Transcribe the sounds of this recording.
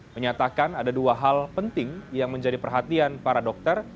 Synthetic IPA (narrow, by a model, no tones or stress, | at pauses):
məɲat̪akanadaduaɦalpənt̪ɪŋjaŋməɲd͡ʒadipərɦat̪ianpaɾadɔk̚t̪ər